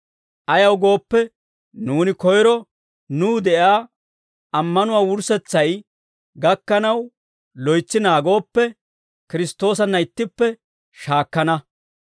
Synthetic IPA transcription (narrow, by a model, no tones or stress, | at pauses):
ʔɐjɐwɡo̞ːpːɛ | nuːnɪkɔjɾɔ | nuːd̪ɛʔaː | ʔɐmːɐnʊwaːwʊɾsɛt͡sːɐj | ɡɐkːɐnɐw | lɔjt͡sːɪnaːɡo̞ːpːɛ | kɪɾɪst̪o̞ːsɐnːɐɪt̪ːɪpːɛ | ʃaːkːɐnɐ